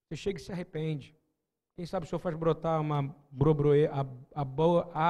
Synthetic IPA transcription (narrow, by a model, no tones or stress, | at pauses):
seʃeɡɐɪsɪaɦepẽd͡ʒɪ | kẽj̃sabɪsɪewfazbɾot̪aũmɐbɾobɾoeʔaɐboɐʔa